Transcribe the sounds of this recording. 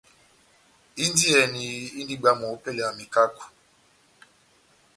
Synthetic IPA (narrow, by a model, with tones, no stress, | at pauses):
i˦n˦di˦ɛ˨ni˨˦i˦ndi˦ɡ͡ba˦mɔ˨˦pe˦lɛ˨a˨mi˨ka˦ku̥˨